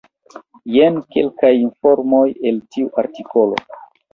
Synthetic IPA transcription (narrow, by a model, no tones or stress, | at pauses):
jenkḛlkajinfo̞ɾmo̞je̞ltʰiuʔaɾtiko̞lo̞̰